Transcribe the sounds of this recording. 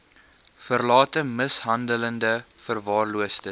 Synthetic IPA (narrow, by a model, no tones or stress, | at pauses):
fərlɑːtəməsɦɐndələndəfərvɑːrluəstə